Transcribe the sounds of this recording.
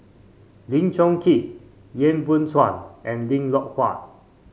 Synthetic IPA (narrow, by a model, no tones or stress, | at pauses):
lĩŋt͡ʃɔ̃ŋkʰit̚ | jẽnbũnswãnʔɛ̃nlĩŋlɔʔ̚kʰwa̰t̚